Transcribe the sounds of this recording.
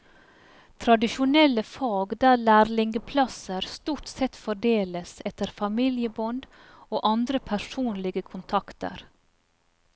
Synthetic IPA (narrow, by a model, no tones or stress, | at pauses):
t̪ʰɾɑd̪ɪʃʊnɛləfɑːɡd̪æːlæːɾlɪŋɡəpʰlɑsəɾst̪uːʈsɛt̪fɔɖeːləsɛt̪əɾfɑmiljəbɔnd̪ | oːʔɑnd̪ɾəpʰæʂuːnlɪɡəkʰʊnt̪ʰɑkt̪ə̰ɾ